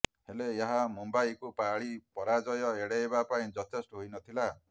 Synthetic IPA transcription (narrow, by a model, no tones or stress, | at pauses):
heleeɦamumbajkupaɭipɔɾad͡ʒɔjɔeɽeebapaĩd͡ʒɔt̪ʰesʈɔɦojnɔt̪ʰila